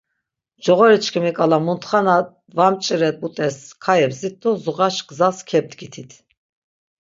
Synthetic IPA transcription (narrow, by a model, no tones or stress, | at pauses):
d͡ʒɔʁɔɾit͡ʃʰkʰimikʼalamunt̪ʰχana | vamt͡ʃʼiɾɛt̪̚ut̪ʼɛskʰaɛbzit̪̚ʰdɔzuʁaʃɡzaskʰɛb̚d̪ɡit̪ʰit̪ʰ